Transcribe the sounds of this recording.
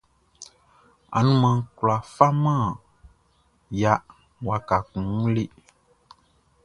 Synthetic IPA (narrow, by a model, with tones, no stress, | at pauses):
a̰˨nũ˦mã˨˦kla˨fa˦mã˦˨ | ja˨ | wa˨ka˨kũ˨ŋ˦le˦